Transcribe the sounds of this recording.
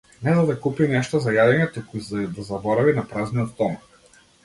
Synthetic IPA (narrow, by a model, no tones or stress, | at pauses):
nɛzad̪akupinɛʃt̪ɔzajad̪ɛɲɛt̪ukuzd̪azabɔɾavinapɾazniɔt̪t̪ɔm